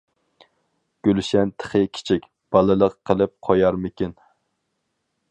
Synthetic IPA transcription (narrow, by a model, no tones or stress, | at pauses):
ɡ̥ʲølʃɛnt̪ʰə̥χəkʲʰi̥t͡ʃʰikʲ | b̥ɑlˠɨlˠəqːəlˠɨp̚qʰɑjɑɾmɪkʲin